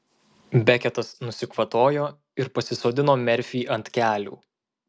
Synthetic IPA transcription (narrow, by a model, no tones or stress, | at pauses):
bʲækʲɛt̪ɐsnʊsʲɪkʋɐt̪oːjoː | ɪɾpɐsʲɪsoːd̪ʲɪnoːmʲɛɾʲfʲiːʔɐnʲt̪ʲkʲæːlʲṵː